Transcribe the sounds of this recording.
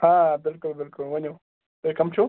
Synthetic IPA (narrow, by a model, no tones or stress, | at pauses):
aːbɪlkʊlbɪlkʊlwɐno | dekɐmt͡ʃʰo